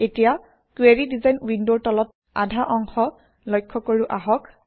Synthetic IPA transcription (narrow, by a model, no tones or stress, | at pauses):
etija | kweɹidizajnwindotɔlɔt̚ | a̰dʱaʔɔŋxɔ | lɔjkʰːɔkoɹuʔaɦɔk